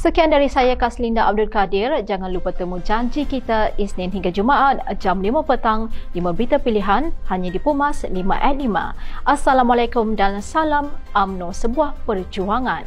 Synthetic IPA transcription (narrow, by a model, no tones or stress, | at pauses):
səkiandaɾisajakaslindaʔab̚dʊlkadɪrd͡ʒaŋanlupat̪əmud͡ʒaɲd͡ʒikit̪aisnɪ̃nɦiŋɡad͡ʒumaʔat̪̚d͡ʒamlimapət̪aŋlimãbit̪apiliɦanhaɲadipumaslimã̰ʔɛt̪̚limã̰ʔasalamalajkʊmdansalamʔamnosəbuahpərd͡ʒuaŋãn